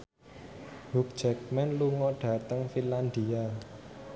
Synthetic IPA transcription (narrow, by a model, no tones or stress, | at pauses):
huk̚d̥d͡ʒ̥ɛk̚mɛnluŋɔɖ̥ä̤t̪əŋfinland̪ia